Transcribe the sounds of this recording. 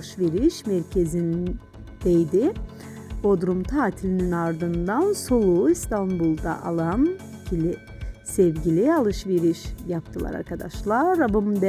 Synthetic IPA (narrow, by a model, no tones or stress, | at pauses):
ʃveɾiʃmɛɾcʰezin | d̪̥ejd̪ɪ | bod̪uɾumt̪ʰaːt̪ʰilʲininaɾd̪ɯnd̪anso̞lˠuist̪ʰanbulˠd̪a̰ʔalˠam | cʰilʲɪ | sɛvɟilʲialˠɯʃveɾiʃjap̚t̪ʰɯlˠa̰ɾa̰ɾkʰad̪aʃlˠaɾːabɯmd̪ɛ